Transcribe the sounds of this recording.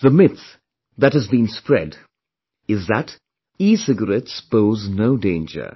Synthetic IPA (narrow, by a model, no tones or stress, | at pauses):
ðəmɪtθ | ðɨt̚hɨzbĩnspɹɛ̰d | ɪzðət | isɪɡəɹɛtsb̥oʊznoʊdẽɪ̃nd͡ʒə̰˞